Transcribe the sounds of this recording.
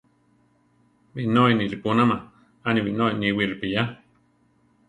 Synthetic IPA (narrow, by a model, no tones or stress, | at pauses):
βinoinilipunama | aniwinoiniwiɾpija